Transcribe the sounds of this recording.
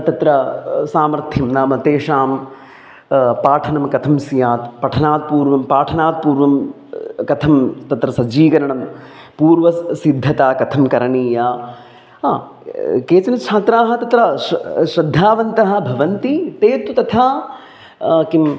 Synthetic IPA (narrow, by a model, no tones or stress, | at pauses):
t̪ɐt̪ɾɐsaːmɐɾt̪ʰjɐmnaːmɐt̪eːʂaːm | paːʈʰɐnɐmkɐt̪ʰɐmsjaːt̪pɐʈʰɐnaːt̪̚puːɾʋɐmpaːʈʰɐnaːt̪̚puːɾʋɐm | kɐt̪ʰɐmt̪ɐt̪ɾɐsɐd͡ʒiːkɐɾɐɳɐm | puːɾʋɐsid̪ʱːɐt̪aːkɐt̪ʰɐmkɐɾɐɳiːjaː | keːt͡ʃɐnɐt͡ʃʰaːt̪ɾaːɦɐ̆t̪ɐt̪ɾɐʃɾɐd̪ʱːaːʋɐnt̪ɐɦɐ̆bʱɐʋɐnt̪it̪eːt̪ut̪ɐt̪ʰaː | kim